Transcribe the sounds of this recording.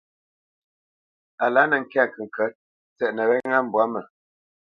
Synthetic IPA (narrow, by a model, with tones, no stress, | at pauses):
a˨la˨˦nə˨ŋ̩˨kɛ˦a˦˨kə˨ŋ̩˨kə˨˦t̚ | t͡sɛ˨ʔnə˨wɛ˦ŋa˦m̩˨bwa˨˦mə˨